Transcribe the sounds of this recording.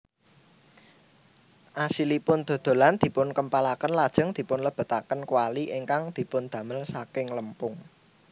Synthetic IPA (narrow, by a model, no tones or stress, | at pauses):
ʔasilipʊnd̪̥o̤d̪̥o̤land̪̥i̤pʊnkəmpalakənlad̥ʒ̥ə̤ŋd̪̥i̤pʊnləb̥ə̤t̪akənkwaliʔɪŋkaŋd̪̥i̤pʊnd̪̥ä̤məlsakɪŋləmpʊŋ